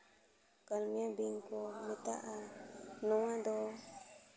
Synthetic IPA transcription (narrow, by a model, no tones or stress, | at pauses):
kalmj̃ãbiŋkomĩt̪aʔanũwãd̪o